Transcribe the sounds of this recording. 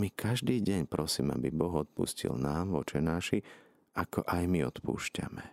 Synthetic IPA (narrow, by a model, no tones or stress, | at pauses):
mikʰaʒd̪iːɟɛɲpɾɔsiːma̰bibɔɣɔt̪̚pṵscḭlnaːmʋɔt͡ʃɛnaːʃi | akɔʔajmiɔt̪pṵːʃca̰mɛ